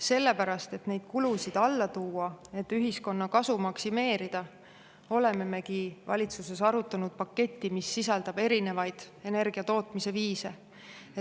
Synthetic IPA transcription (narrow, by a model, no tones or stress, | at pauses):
se̞lːe̞pæɾɑst̪e̞t̪ne̞jd̪̥kulusid̪̥ɑlːɑt̪uːɑe̞t̪ːyɦisko̞nːɑkɑsumɑksime̞ːɾid̪̥ɑ | o̞le̞me̞me̞kivɑ̰lʲit̪suse̞sɑɾut̪ːˑɑnud̪̥̚pɑkːe̞t̪ʲːimisːisɑld̪̥ɑb̥e̞ɾine̞vɑjd̪̥ | e̞ne̞rɡ̥iɑt̪o̞ːt̪mise̞viːse̞ | e